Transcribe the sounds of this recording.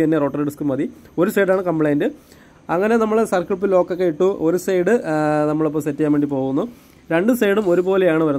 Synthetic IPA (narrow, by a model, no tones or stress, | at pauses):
ɐnːero̞ːʈːɐrɖiskɨmɐði | o̞ɾusejɽaːɳɨkɐmbɭɐjndɨ | ɐŋːɐne̞nɐmːɐɭsɐrkɭpːilo̞ːkːɐkːe̞iʈːuʔoɾusɐjɽɨnɐmːɐɭop̬ːomsetːikːaːmʋeɳɖipo̞ːɣunːu | ɾe̞ɳɖɨsejɽumo̞ɾubo̞ːlejaːɳɨʋɐɾun